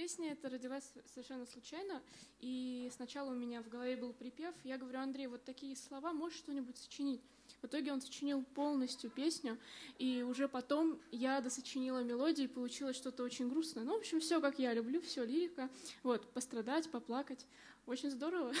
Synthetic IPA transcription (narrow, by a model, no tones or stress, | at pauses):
pʲesʲnʲəɛt̪əɾədʲɪlˠasʲsəvʲɪrʂɛnːəslˠʊt͡ɕæjnəisnɐt͡ɕalˠəʊmʲɪnʲavɡəlˠɐvʲebɨlˠpɾʲɪpʲe̞fjaɡəvɐɾʲuɐnd̪ɾʲejvo̞t̪ːɐkʲijəslˠɐvamo̞ʂt̪o̞nʲɪbʊtʲsə̥t͡ɕɪnʲitʲ | vɨt̪o̞ɡʲɪo̞nsə̥t͡ɕɪnʲilˠpo̞lˠnəsʲtʲjʊpʲesʲnʲʊiʊʐɛpɐt̪o̞mjad̪əsət͡ɕɪnʲilˠəmʲɪlˠo̞dʲɪɪpəlˠʊt͡ɕilˠəsʲʂt̪o̞t̪əo̞t͡ɕɪnʲɡɾusnəjənovo̞pɕːɪmfsʲokakjalʲʊblʲufsʲolʲiɾʲɪkəvo̞t̪pəst̪ɾɐd̪atʲpɐplˠakətʲ | o̞t͡ɕɪnʲzd̪o̞ɾəvə